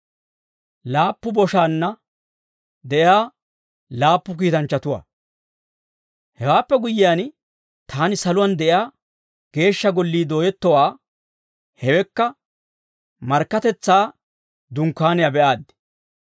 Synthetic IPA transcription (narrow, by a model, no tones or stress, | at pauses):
laːpːʊbɔʃaːnːɐ | d̪ɛʔɪjaː | laːpːʊk̬iːt̪ɐnt͡ʃːɐt̪ʊwa̰ː | hɛwaːpːɛɡʊjːɪjaːn | t̪ʰaːnɪsɐlʊwɐnd̪ɛʔjaː | ɡ̥e̞ːʃːɐɡɔlːiːd̪o̞ːjɛt̪ːɔwaː | hɛwɛkːɐ | mɐɾkːɐt̪ɛt͡sːaː | d̪ʊŋkːaːnɪjɐbɛʔaːd̪ːɛ̥